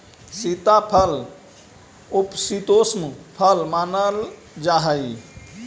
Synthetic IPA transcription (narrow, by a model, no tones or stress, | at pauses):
sit̪apʰəl | upsit̪osmpʰəlmanəl | d͡ʒaɦəj